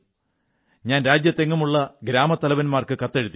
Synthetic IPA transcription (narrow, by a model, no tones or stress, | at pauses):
ɲaːnɾaːd͡ʑjɐt̪ːe̞ŋːumuɭːɐɡɾaːmɐt̪ːɐlɐʋɐnmaːrkɨkɐt̪ːe̞ɻut̪ːi